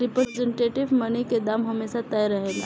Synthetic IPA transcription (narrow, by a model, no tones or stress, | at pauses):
ɾipəd͡zəɳʈeʈiʋmənəjked̪amɦəmesat̪əjɾəɦela̰